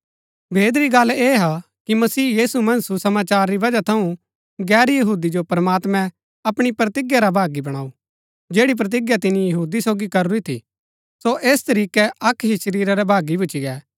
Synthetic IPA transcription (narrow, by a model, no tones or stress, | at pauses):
bʱeːd̪ɾiɡɐlːeːɦa | kimɐsiːjiːsumɐ̃nsusɐmaːt͡ʃaːɾːiʋɐd͡ʒat̪ʰɐũ | ɡɛːɾjɐɦuːd̪id͡ʒopɐɾmaːt̪mɛ̃ | ɐpɽ̃ipɾɐt̪ɪɡjaɾabʱaːɡibɐɽ̃aːu | d͡ʒeːɽip̬ɾɐt̪̬ɪɡjat̪̬ɪnijɐɦuːd̪isoːɡikɐɾuɾit̪ʰḭ | soʔeːst̪ɐɾiːkɛɐkʰɦiʃɐɾiːɾaɾɛbʱaːɡibʊt͡ʃiɡɛː